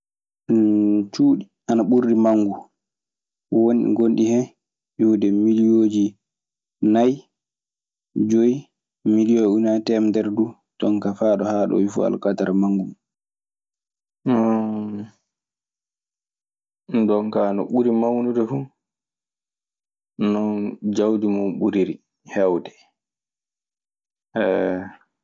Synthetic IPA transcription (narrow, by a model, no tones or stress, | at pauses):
t͡ʃuːɗi | anaɓuɾːimaŋːɡu | wonɗḭɡonɗihɛ | juwdɛmilijod͡ʒi | naj | d͡ʒoj | milijɔunatɛmdɛɾdu | tɔŋkafaɗɔhaɗɔ̰wifṵa̰lkataɾmaŋɡum | ndɔŋkanɔ̰ɓuɾimawnudɛfu | nɔnd͡ʒawdimɔɓuɾiɾi | hɛwdɛ | ʔɛ